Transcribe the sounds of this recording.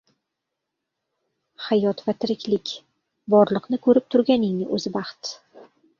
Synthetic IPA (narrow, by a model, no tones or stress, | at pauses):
hajɒt̪vat̪ʰɪɾɪkʲʰlɪkʲ | bɒɾlˠɨqnɪkʰɵɾɪp̚t̪ʰʊɾɡʲanɪŋnɪʔɵ̰zɪbɑχt̪